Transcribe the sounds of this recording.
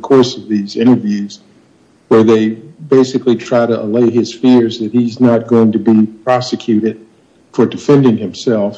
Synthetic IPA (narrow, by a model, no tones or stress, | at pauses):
kʰɔɹsʌvðizɪ̃ɾ̃ə˞vjʉz̥ | wə˞ðeɪbeɪsɨklitʰɹ̥aɪɾəʔəleɪɪz̥fɪɹzðɨt̚hiznət̚ɡ̥oʊɪ̃ŋtʰɨbipʰɹ̥ɑsɨkʰj̥ʉɾɨd̥̚ | fə˞dɨfɛ̃ndɪ̃ŋɨ̃msɛlˠf